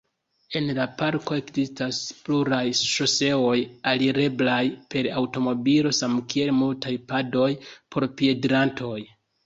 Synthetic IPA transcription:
e̞nlapaɾko̞e̞kzistaspluɾajʃose̞o̞jaliɾe̞blajpe̞ɾawto̞mo̞bilo̞samkie̞lmultajpado̞jpʰo̞ɾpie̞dɾantʰo̞j

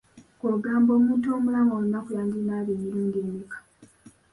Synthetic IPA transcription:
koɡaːmbomuːntoːmulaŋɡounːakujaːŋɡinaβimiɾuːŋɡeːmikḁ

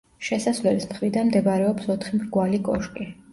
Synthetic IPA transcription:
ʃɛsasvlɛlismχɾid̪anmd̪ɛbaɾɛɔpsɔt̪ʰχimɡwalikʼɔʃkʼi

